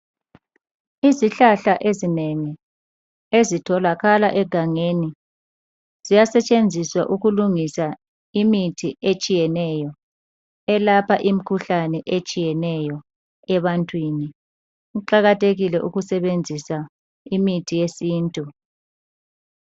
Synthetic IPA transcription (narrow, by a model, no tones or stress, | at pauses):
iziɬaɬaʔezinɛŋɛ | ezitʰɔlaɣalaʔɛɡ̥ʱaŋeni | z̥ijasɛt͡ʃʼend͡zʱiswa̰ʔuɣuluŋisa | imitʰiet͡ʃʼijɛnɛjɔ | ɛlapʰaʔim̩kʰuɬanɛʔet͡ʃʼijɛnɛjɔ | ɛβantʼwini | uǃaɣatʰʼeɣilɛʔuɣusɛβend͡zʱisa | imitʰijesiːntʼu